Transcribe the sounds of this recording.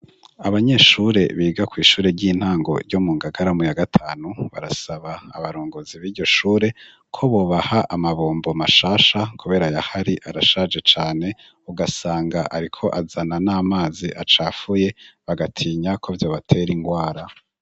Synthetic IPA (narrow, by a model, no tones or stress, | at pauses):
aβaɲe̞ːʃuɾe̞βiːɡakwiːʃuːɾe̞ɾɟiːn̥haːŋɡo̞̰ɾɟo̞muːŋɡaɡaɾamujaɡatʰaːnuβa̰ɾasaβaːβaɾoːŋɡoziβiːɾɟo̞ʃuːɾe̞ | kʰo̞βo̞ːβahaʔamaβoːmbo̞maʃaːʃakʰuβe̞ɾajahaɾiʔaɾaʃad͡ʒe̞t͡ʃaːne̞ | uɡasaːŋɡaʔaɾikʰo̞ʔazananaːmaːziʔat͡ʃaːfuje̞βaɡatʰiːɲakʰo̞vjo̞βatʰe̞ɾiŋɡwaːɾa